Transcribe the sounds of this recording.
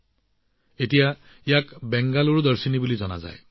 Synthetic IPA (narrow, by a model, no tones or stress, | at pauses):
etija | ijakbɛŋɡaloɹd̪ɔɹsinibulizɔna̰za̰j